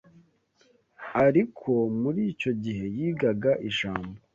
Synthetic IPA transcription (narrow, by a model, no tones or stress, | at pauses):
aɾikʰo̞muɾiːco̞ɟiɦe̞jiːɡaɡaʔiʃaːmbo